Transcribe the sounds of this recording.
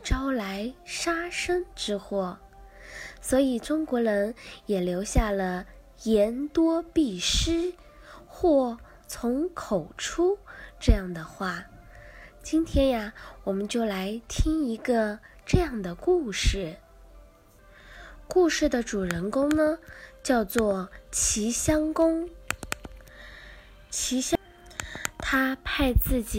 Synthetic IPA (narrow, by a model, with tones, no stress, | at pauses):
ʈ͡ʂɑ˥ʊla˧˥ɪʂa˥ʂə˥ŋʈ͡ʂɻ̩˥xwɔ˥˩ | swɔ˧˥i˨˩ʈ͡ʂʊ˥ŋkwɔ˧˥ɻə˧˥njɛ˨˩ljo˧˥ʊɕja˥˩lə˩ | jɛ˧˥nt̪wɔ˥pi˥˩ʂɻ̩˥ | xwɔ˥˩ | t͡sʰʊ˧˥ŋkʰo˨˩ʊʈ͡ʂʰu˥ʈ͡ʂɤ˥˧jɑ˥˩ŋd̪ə˩xwa˥˩ | t͡ɕi˥nt̪ʰjɛ˥na˧wɔ˨˩mə˦nt͡ɕjo˥˩ʊla˧˥ɪt̪ʰi˥ŋi˧˥ɡə˧ʈ͡ʂɤ˥˧jɑ˥˩ŋd̪ə˩ku˥˧ʂɻ̩˥˩ | ku˥˧ʂɻ̩˥˩d̪ə˩ʈ͡ʂu˨˩ɻə˧˥nkʊ˥ŋnə˨t͡ɕjɑ˥˧ʊt͡swɔ˥˩t͡ɕʰi˧˥ɕjɑ˥ŋkʊ˥ŋ | t͡ɕʰi˧˥ɕɑ˥ | t̪ʰa˥pʰa˥˧ɪt͡sɹ̩˥˩t͡ɕi˨˩